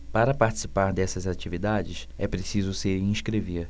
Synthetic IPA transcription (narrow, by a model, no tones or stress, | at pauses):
paɾɐpaɾt͡ʃi̥sipaɾd̪ɛsɐzat͡ʃivid̪ad͡ʒɪʃ | ɛpɾesizʊseɾĩʃkɾeveɾ